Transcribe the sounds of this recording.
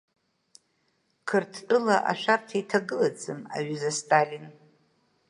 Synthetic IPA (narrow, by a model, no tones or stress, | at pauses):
kʰɨrtʰtʼɨlaʔa̰ʃʷᶣartʰaitʰaɡɨlad͡zʼɨma̰ɥɨzastʼalʲin